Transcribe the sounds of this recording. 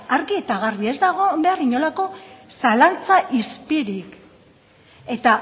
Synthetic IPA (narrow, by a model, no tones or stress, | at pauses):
aɾɣie̞t̪aɣarβiezd̪aɣ̞o̞mb̪e̞ariɲo̞lako̞salant͡saʔispiɾik | e̞t̪a